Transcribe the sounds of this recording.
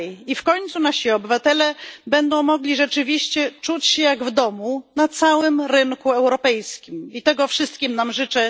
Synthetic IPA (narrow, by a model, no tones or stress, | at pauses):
ifkɔɲt̪sunaɕiɔbɘvat̪ɛlɛbɛnd̪ɔ̃w̃mɔɡlʲiʐɛt͡ʂɘvʲiɕt͡ɕɛt͡ʂut͡ɕɕɛjaɡvd̪ɔmunat̪sawɘmɾɘŋkuɛwɾɔpɛjskʲimit̪ɛɡɔfʂɘst̪kʲimnamʐɘt͡ʂɛ